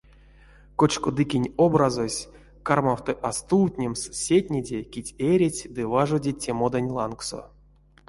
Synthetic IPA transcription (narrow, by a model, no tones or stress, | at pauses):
kot͡ʃkod̪ɨkʲinʲobrazosʲ | karmawt̪ɨʔast̪uːt̪ʲnʲemssʲet̪ʲnʲedʲekʲitʲeɾʲet͡sʲd̪ɨvaʐodʲitʲːemod̪anʲlˠa̰nkso̰